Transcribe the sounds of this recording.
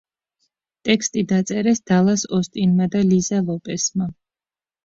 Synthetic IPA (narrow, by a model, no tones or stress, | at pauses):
t̪ʼɛkst̪ʼid̪at̪sʼɛɾɛsd̪̥alˠasɔst̪ʼinmad̪alizalˠɔpʼɛsma